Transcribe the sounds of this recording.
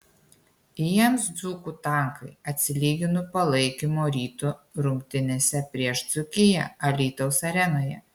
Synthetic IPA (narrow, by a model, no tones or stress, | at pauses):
jiɛmsd̪zuːkuːt̪ɐˑŋkɐɪɐt̪ʲsʲɪlʲiːɡʲɪnʊpɐlˠɐɪkʲimoːɾʲiːt̪uɾʊŋʲkʲt̪ʲɪnʲeːsʲɛpʲɾʲiɛʃd̪z̥ʊkʲɪjɛ̰ɐlʲiːt̪ɔʊsɐɾʲɛnoːjɛ̰